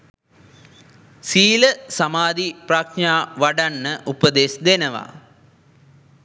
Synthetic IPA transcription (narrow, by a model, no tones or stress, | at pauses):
siːləsamaːd̪iprakaːʋaɖanːəʔupəd̪eːsd̪enəʋa̰